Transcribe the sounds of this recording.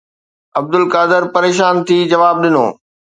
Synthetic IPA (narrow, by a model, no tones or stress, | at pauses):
ɐb̚d̪ʊlkaːd̪ɪɾpɐɾeːʃaːnt̪ʰiːd͡ʑɐʋaːb̚ɗɪno̰ː